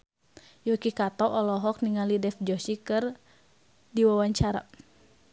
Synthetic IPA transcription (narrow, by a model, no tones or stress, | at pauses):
jukikat̪ɔʔɔlɔɦɔk̚niŋalidɛfd͡ʒɔsikɨr | diwawaɲt͡ʃaɾa̰